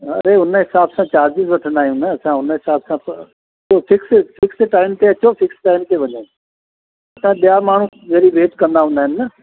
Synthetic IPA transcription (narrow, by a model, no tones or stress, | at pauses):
ɐ̰ɾeʊnəɦɪsaːbsãt͡ɕaːɾd͡ʑɪzʋɐʈʰə̃nd̪aːɦijũnɐɐsãʊnəɦɪsaːbsã | soːfɪksfʰɪksʈaːɪmt̪eɐt͡ɕofɪksʈaːɪmt̪eʋɐɲõ | ɐsãɓijamaːɳ̤ũzɐːɾiʋeːʈkɐ̃nd̪aɦʊ̃ːnd̪aːɦɪ̃nɪːɐ